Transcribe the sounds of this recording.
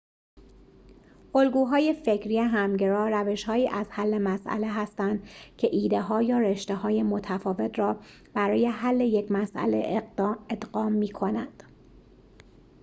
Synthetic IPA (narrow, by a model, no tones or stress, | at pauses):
ʔolɡuːɦɒːje̞fe̞cʰɾiːeɦæmɟeɾɒːɾæve̞ʃhɒːiːʔæzhælːe̞mæsʔæ̰le̞ɦæst̪ænd̪̥cʰe̞ʔiːd̪e̞ɦɒːjɒːɾeʃt̪eɦɒːje̞mot̪ʰæfɒːve̞t̪ʰɾɒː | b̥æɾɒːje̞ɦælːe̞je̞cʰmæsʔæ̰le̞̰ed̪̥ɢɒːmːiːkʰo̞nænd̪̥